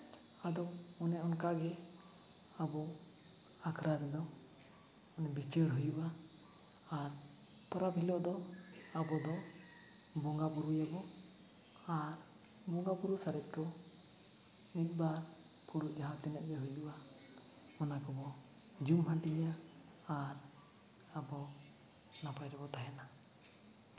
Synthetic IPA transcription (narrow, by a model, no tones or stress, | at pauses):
ad̪ɔɔnɛɔnkaɡɛ | abɔ | akʰɾaɾɛd̪ɔ | ɔnɛbit͡ʃɛɾɦujubaː | ɾp̪ɔɾabʱilɔʔd̪ɔabɔd̪ɔ | bɔŋɡapuɾujabɔ | aɾ | bɔŋɡapuɾusaɾɛt̪̚ˀkɔ | mit̪̚ˀbaɾpʰuɾuʔ̚d͡ʒaɦãt̪ɛnaʔ̚ɡɛɦujuba | mɔnakɔbɔ | d͡ʒumɦaʈiɲjaː | ɾ | abɔ | napʰaɾɛbɔt̪aɦɛna